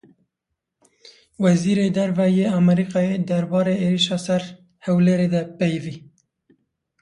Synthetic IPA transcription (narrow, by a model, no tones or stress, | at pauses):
wɛziːɾeːd̪ɛɾvɛjeːɑmɛɾiːqɑːed̪æɾbɑːɾeeːɾiʃɑːsɛɾ | hɛwleːɾed̪ɛpejviː